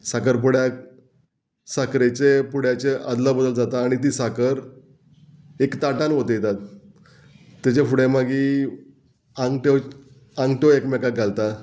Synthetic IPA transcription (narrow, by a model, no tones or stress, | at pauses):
sakəɾp̬uɽja | sakɾet͡ɕepuɽ̤jat͡ɕeəd̪labəd̪əld͡zat̪aːɽ̃it̪̬iːsakəɾ | ekt̪aʈanɦot̪ejet̪at̪ | at͡ɕefuɽemaɡiː | aŋɡʈe | ãŋɡʈeekmɛkaɡʱalt̪a